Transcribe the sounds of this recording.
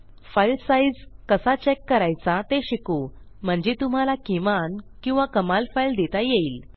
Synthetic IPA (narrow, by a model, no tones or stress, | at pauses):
fajlsaid͡zkəsat͡ɕekːəɾajt͡sat̪eɕiko | m̤əɳd͡ʑet̪um̤alakimankĩw̃ʋakəmalfajld̪et̪ajeiːl